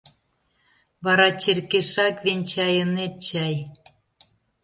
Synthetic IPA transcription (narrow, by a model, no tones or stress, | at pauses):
βɑɾɑt͡ɕerkeʃɑkβenʲt͡ɕɑjə̆net̪̚t͡ɕæj